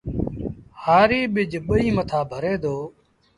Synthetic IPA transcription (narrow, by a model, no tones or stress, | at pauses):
haːɾiːɓɪd͡ʒʱɓəiːmət̪ʰaːbʱəɾeːd̪oː